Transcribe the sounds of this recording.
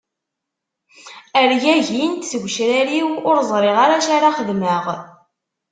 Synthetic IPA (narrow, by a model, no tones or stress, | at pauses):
əɾjæʝint̪səɡʷʃɾæɾiwʊɾzˤɾˤeʁaɾaʃaɾaχəðməʁ